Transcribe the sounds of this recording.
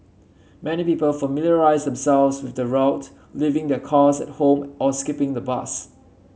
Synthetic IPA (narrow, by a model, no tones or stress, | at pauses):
mɛnipiːpəlfəmiljəɹaɪzdɛ̃msɛlvswɪθdəɹaʊt | livɪ̃ŋdɛkʰɔsɛ̰t̚hõmʔɔskɪpɪ̃ŋdəba̰s